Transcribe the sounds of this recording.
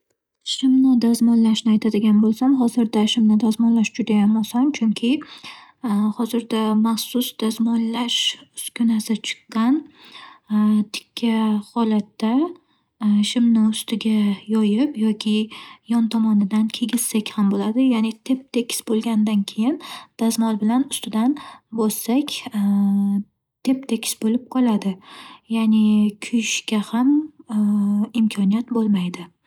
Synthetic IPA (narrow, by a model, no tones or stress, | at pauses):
ʃɪmnɪd̪azmɒnlaʃnɪajt̪ʰad̪ɪɡʲanbolˠsamɦɒzɪɾd̪aʃɪmnɪd̪azmɒnlaʃd͡ʒʊd̪ajambosamt͡ʃʰʊŋkʲʰɪ | hɒzɪɾd̪amaχsʊsd̪̥ɒzmɒnlaʃʊskʲʊnasɪt͡ʃʰɨ̥qːɑn | t̪ʰɪ̥kʲʰːahɒlat̪ːa | ʃɪmnɪʊst̪ʰɪɡʲajɒjɪpjɒkʲʰɪjɒnt̪ʰɒmɒnɪd̪ankʲʰe̞ɡʲɪz̥sakʲhambolad̪ɪjanɪt̪ʰe̞p̚t̪ʰekʲɪ̥sbolˠɡʲand̪ankʲʰe̞jɪnd̪̥azmɒlˠbɪlanʊst̪ʰɪd̪anbɒssakʲ | t̪ʰe̞p̚t̪ʰekʲʰɪ̥sbolɪp̚qʰɒlˠad̪ɪjanɪkʲʰʊjɪʃkʲaham | ɪmkʲʰɒnijat̪bolˠmajd̪ɪ